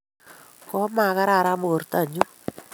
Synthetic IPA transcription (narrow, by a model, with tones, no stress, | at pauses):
kɔ˦ma˨ka˦ɾa˦˨ɾa˦mo˨o˨ɾta˦˨ɲu˦